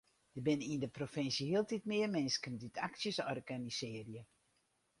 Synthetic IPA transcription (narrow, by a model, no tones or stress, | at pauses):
dəbɪnindəprofɪnsjəhiəlˠtitmɪərmɛnskəndytʰaksjəsɔrɡanisɪərjə